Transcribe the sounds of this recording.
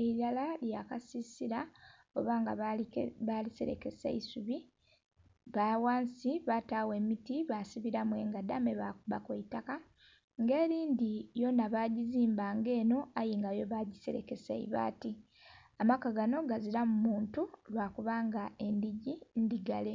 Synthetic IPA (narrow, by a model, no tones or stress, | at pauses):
eilalaljakasisiɾa | oβaːŋɡaβaliseɾḛke̞sa̰isuβi | βawaːnsiβatawe̞ːmitiβasiβiɾamwe̞ːŋɡadameβabakweitaka | ŋɡe̞ːɾiːndijo̞naβaɟiziːmbaŋɡe̞ːno̞ajiːŋɡajo̞βaɟise̞ɾḛke̞sa̰ḭβa̰ːti | amakaɡano̞ɡaziɾamumuːntulwaːkuβaːŋɡae̞ndiɟindiɡale̞